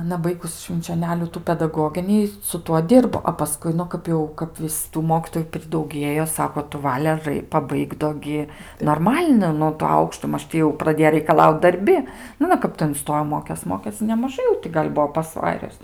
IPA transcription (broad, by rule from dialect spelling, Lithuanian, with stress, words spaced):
ɐˈnɐ ˈbɐɪɡʊs ʃʲʋʲɪnʲt͡ʃʲoːˈnʲæːlʲuː ˈtuː pʲɛdɐˈɡoːɡʲɪnʲiː sʊ ˈtuɔ ˈdʲɪrboː ɐ pɐˈskʊɪ ˈnʊ ˈkɐp jɛʊ kɐp ˈʋʲɪs tuː ˈmoːkʲiːtoːjʊ pʲrʲɪdɐʊˈɡʲiɛjoː ˈsɑːkoː tʊ ˈʋɑːlʲɛ ˈrɐɪ pɐˈbɐɪk doː ˈɡʲɪ noːrˈmɐlʲnɐɪ ˈnʊ toː ˈɐʊkʃtoː ˈmɐʃ tʲɪ jɛʊ prɐˈdʲeːjoː rɐɪkɐˈlˠɐʊt dɐrʲˈbʲɪ nʊ ɐˈnɐ ˈkɐp tɐɪ ɪnˈstoːjoː ˈmoːkʲeːs ˈmoːkʲeːs nʲɛmɐˈʒɐɪ jɛʊ ˈtʲɪ kɐp ɡɐlʲ ˈbuɔ pɐsˈʋɑːrʲʊs